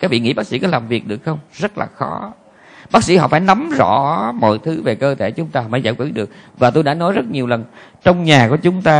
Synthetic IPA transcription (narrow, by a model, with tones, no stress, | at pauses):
kaː˨˦˥vḭ˧˨ŋḭ˧˥ɓaː˦˥k̚sḭ˧˥kɔ˨˦laː˨˩mvi˨˩ək̚ɗɨ˨˩ək̚xə˧wŋ͡mzə˦˥t̚la̰ː˨˩xɔ˨˦ | ɓaː˦˥k̚sḭ˧˥hɔ̰˧˨faː˧˩jna˨˦mzɔ̰˧˥mɔ̰˧˨jt̪ʰɨ˨˦ve˨˩kəː˧t̪ʰe˧˩t͡ɕʊ˨˦ŋ͡mt̪aː˧˨faː˧˩jza̰ː˧˩jkwḭ˧˥ɗɨ˨˩ək̚vaː˨˩t̪o˧jɗaː˧˥nɔ˨˦jzə˦˥t̚ɲi˨˩əwlə˨˩n | t͡ɕɔ˧wŋ͡mɲaː˨˩ku˧˩ət͡ɕʊ˨˦ŋ͡mt̪aː˧